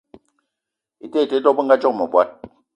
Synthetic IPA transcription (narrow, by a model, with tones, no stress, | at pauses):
i˨te˦˨i˨te˨˦dɔ˦k̚bə˦ŋ̩˦ɡa˦d͡ʒɔ˦k̚mə˨bwa˦t̚